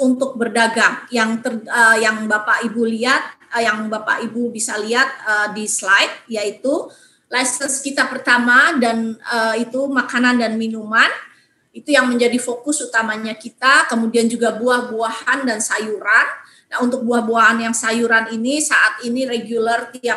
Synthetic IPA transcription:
unt̪ʊk̚bərdaɡaŋjaŋt̪ərəjaŋbapaʔibuliat̪̚jaŋbapa̰ʔibubisaliat̪̚ədislajt̪̚jait̪u | lajsənskit̪apərt̪amadanəit̪umakanandanminuman | it̪ujaŋməɲd͡ʒadifokʊsut̪amaɲakit̪akəmudiand͡ʒuɡabuahbuahandansajuɾanː | aɦunt̪ʊk̚buahbuaɦanjaŋsajuɾaninisaʔat̪inireɡijulərt̪ia

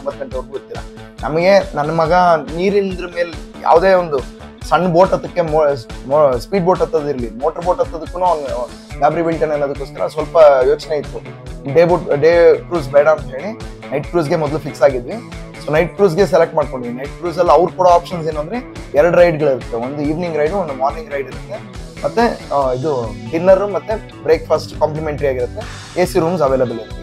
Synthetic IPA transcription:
umbɐt̪̚ːkɐɳʈɐʋɐɾɡot̪ːilːɐ̰ | nɐmɐɡe̞nɐnːɐmɐɡɐniːɾind̪ɾɐme̞ːlja̰ːʋd̪eːond̪u | sɐɳːbo̞ːʈɐt̪ɐkːemspiːɖboːʈɐt̪ːɐd̪iɾlimoːʈɐɾboːʈɐt̪ːɐd̪ukːunun | ɡaːbɾibilʈɐnenːɐd̪ukːoːskɐɾʔɐ̰sʋɐlpɐjo̞ːt͡ʃneit̪ːu | ɖebuʈɖeːkɾuːs̬bɛjɽɐːnt̪ɦeːɽi | nɐjʈ̚kɾuːs̬ɡe̞mɔd̪ɐlufiksaːɡid̪ʋi | soːnɐjʈ̚kɾuːs̬ɡe̞s̬elek̚ʈmaːɖko̞ɳɖiʋinɐjʈ̚kɾuːs̬ɐlːɐʋɾukuːɽɐaːpʃɐns̬eːnuɐnd̪ɐɾeɛɾɐɽuɾɐjɖɡɐɭiɾut̪ːeond̪uiːʋniŋɡɾɐjɖuond̪umaːɾniŋɡɾɐjɖiɾut̪ːe̞ | mɐt̪ːeid̪uɖinːɐɾumɐt̪ːe | bɾeːkpʰɐsʈkamplimeɳʈɐɾiaːɡiɾut̪ːe̞ | eːsiɾuːmsɐʋeːlɐbɐliɾut̪ːi

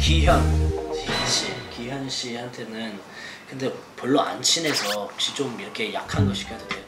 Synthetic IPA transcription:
kiɦjʌn | nɕ͈ikiɦjʌnɕ͈ihantʰe̞nɯn | kɯnde̞poɭːoa̰nt͡ɕʰine̞sʰʌt͡ɕid͡ʑomiɾʌkʰe̞ja̰kʰanɡʌɕʰi̥k͈adodeo

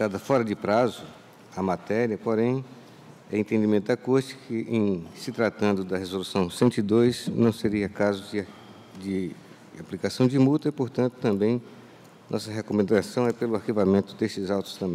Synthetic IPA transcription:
d̪ad̪ɐfɔɾɐd͡ʒɪpɾazʊ | ɐmat̪ɛɾiɐpoɾẽj̃ | ɛẽnt̪ẽnd͡ʒimẽt̪ʊd̪akoɾt͡ʃɪ̥kʰɪʔẽj̃sɪt̪ɾat̪ɐ̃nd̪ʊd̪ɐɦezolusɐ̃w̃sẽnt̪ʊid̪ojsnɐ̃w̃seɾiɐkazʊd͡ʒ | d͡ʒɪ | aplikasɐ̃w̃d͡ʒɪmut̪ɐipoɾt̪ɐ̃nt̪ʊ̥t̪ɐ̃mbẽj̃ | nɔsɐɦekomẽnd̪asɐ̃w̃ɛpelʊaɾkivamẽnt̪ʊd̪est͡ʃɪzawt̪ʊ̥st̪ɐ̃mbẽ

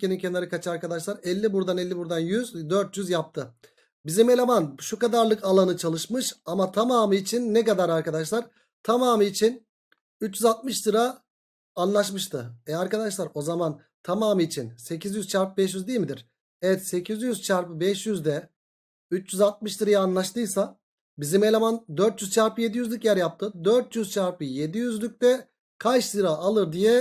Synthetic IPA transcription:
enincʰenaɾɯkʰat͡ʃʰɯaɾkad̪aʃlˠaɾɛlʲːibuɾd̪anɛlʲːibuɾd̪anjyzd̪øɾt̪̚jyzjap̚t̪ʰɯ | bizimelʲamanʃukad̪aɾlˠɯkalˠanɯt͡ʃʰalˠɯʃmɯʃamat̪ʰamaːmɯit͡ʃʰinːɛkad̪aɾaɾkad̪aʃlˠaɾ̥ | t̪ʰamaːmɯit͡ʃʰin | yt͡ʃjyzalˠt̪̚mɯʃt̪ɯɾaː | nlˠaʃmɯʃt̪ʰɯɛaɾkad̪aʃlˠaɾo̞zaman | t̪ʰamaːmɯːt͡ʃʰinse̞cʰizjyzt͡ʃʰaɾpɯbɛʃjyzd̪ijilʲmid̪iɾ̥ | ɛvɛt̪se̞cʰizjyz̥t͡ʃʰaɾpɯbɛʃjyzd̪ɛ | yt͡ʃjyzat̪̚mɯʃt̪ɯɾajaːnlˠaʃt̪ɯjsa | bizimelʲamand̪øɾt̪jyzt͡ʃʰaɾpɯje̞d̪ijyzlʲycjæɾjap̚t̪ʰɯd̪øɾt̪jyzt͡ʃʰaɾpɯje̞d̪ijyzlʲyc̚t̪ɛ | kʰajʃsɯɾaalˠɯɾd̪ijɛ

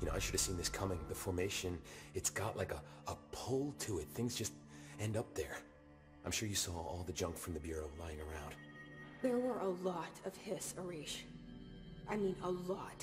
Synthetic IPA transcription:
jɨnoʊaɪʃʊɾɨv̥sĩnðɪskʰʌmɪ̃ŋðɨfɔɹmeɪʃɨ̃nɨtsɡ̥ɑʔlʔaɪkə | əpʰoʊlˠtʰəɪt̪̚θɪ̃ŋzd͡ʒʌst | ɛ̃ndʌp̚ðə˞ | ãɪ̃mʃʊɹjɨsɔɔ̰lˠðɨd͡ʒʌ̃ŋkfɹʌ̃mðɨbjʊɹoʊlaɪɪ̃ŋə˞ãʊ̃nd̥ | ðə˞wə˞ʔəlɔɾʌv̥hɪsə˞iʃ | ʔaɪmĩnəlɔt

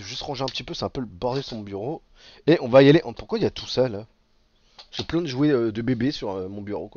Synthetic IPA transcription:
ʒyst̪ʁɑ̃ʒeɛ̃pət̪ipøsɛɛ̃pøləbɔʁd̪esʁmɔ̃byʁo | eɔ̃vajaleʔɑ̃puχkwailjat̪ʰu̥sœl | səplɛ̃d̪əʒueød̪əbebesyʁømɔ̃byʁokwa

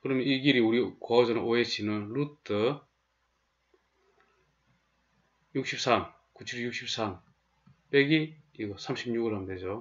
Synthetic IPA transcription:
kɯɾʌmjʌniɡiɾiuɾikʌʌd͡ʑʌnɯnʔoet͡ɕʰinɯnlutʰɯ | juk̚ɕ͈ʰip̚s͈ʰam | kut͡ɕʰiɾijuk̚ɕ͈ʰip̚s͈ʰam | p͈eɡiiɡʌsʰamɕʰib̚ɲuɡɯɭamded͡ʑo

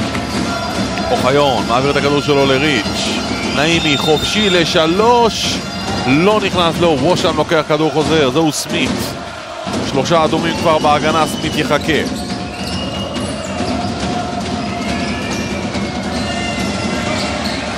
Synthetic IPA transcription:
oχajo̞nmaːviʁet̪akad̪uʁʃ̬elo̞leʁit͡ʃ | naimiχofʃile̞ʃaloʃ | lo̞niχnaslowoʃamlo̞ke̞aχkad̪uʁχo̞ze̞ʁzeusmit̪ | ʃlo̞ʃaːd̪omimkvaʁbeaɡanasmit̪jeχake

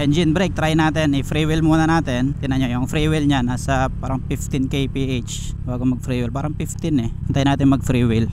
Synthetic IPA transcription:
ʔɛnd͡ʒɪnbɾɛk̚t̪ɾajnaːt̪ɛnifɾiwɪlmuːnanaːt̪ɛnt̪ɪnaɲojʊŋfɾiwɪlɲanasapaːɾaŋpɪft̪ɪnkejpiʔet͡ʃ | baːɡomɐɡ̚fɾiːwɪlpaːɾaŋpɪft̪ɪnɛnt̪ajnaːt̪ɪnmɐɡ̚fɾiwɪl

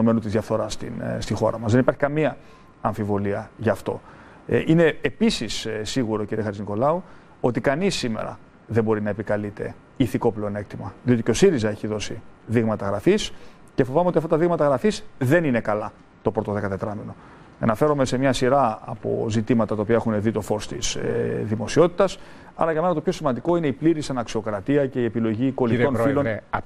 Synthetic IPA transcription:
ome̞nut̪izðʝɐfθo̞ɾɐst̪ḭnst̪ixo̞̰ɾɐmɐzðenipɐɾçikɐmiɐ | ɐɱfivo̞liɐʝɐːft̪o̞̰ | ine̞ːpisissiɣuɾociɾiexɐɾsiniko̞lɐu | o̞t̪ikɐnisːimḛɾɐ̰ | ðe̞mbo̞ɾinɐepikɐlit̪e̞̰ | iθiko̞pleone̞k̚t̪imɐðio̞t̪ico̞siɾizɐe̞çiðo̞siðiɣmɐt̪ɐɣɾɐfis | ce̞fo̞vɐmeotiɐft̪ɐt̪ɐðiɣmɐt̪ɐɣɾɐfizðe̞nine̞kɐlɐ | t̪o̞pɾo̞t̪o̞ðe̞kɐt̪e̞t̪ɾɐmino̞ | enɐfe̞ɾome̞se̞mɲɐsiɾɐɐ̰po̞̰zit̪imɐt̪ɐt̪ɐopiɐe̞xuneðit̪o̞fo̞st̪isðimo̞sio̞t̪i̥t̪ɐs | ɐ̰ɾɐʝɐmenɐt̪opço̞simɐnd̪iko̞ine̞ipliɾisɐnɐksio̞kɾɐt̪iɐce̞iepilo̞ʝiko̞lit̪o̞nfilo̞n

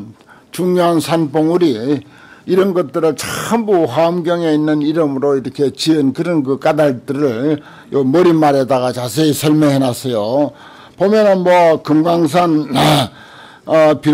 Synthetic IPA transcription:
t͡ɕuŋɲoɦansʰanboŋuɾi | iɾʌnɡʌt̚t͈ɯɾɯɭt͡ɕʰambuhwamɡjʌŋe̞inːɯniɾɯmɯɾoiɾʌkʰe̞t͡ɕiɯnkɯɾɯnkɯk͈adaɭt͈ɯɾɯɭ | jomʌɾimaɾedaɡat͡ɕas̬ʰeisʰʌɭmeɦenasʰʌjo | pomjʌnɯnmwʌkɯmɡaŋs̬ʰan | pi

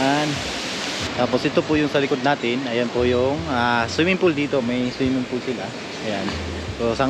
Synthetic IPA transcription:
an | t̪aːposʔɪt̪o̞pʊjʊŋsɐlɪkod̪naːt̪ɪnɐjanpʊjʊŋasɪmɪmpʊld̪iːt̪o̞mɐjswimɪnpʊlsɪla | ʔɐjan | pɛosɐ

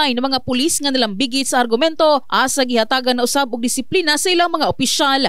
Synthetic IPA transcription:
ajnɐmɐŋapʊlisŋɐnalaŋbiɡɪt̪sɐʔːɾɡʊmɛnt̪o̞ʔaːsaɡɪhat̪aːɡanːɐʔʊsabʊɡ̚d̪ɪsɪpliːnasɐʔɪlaŋmɐŋaʔʊpɪʃal

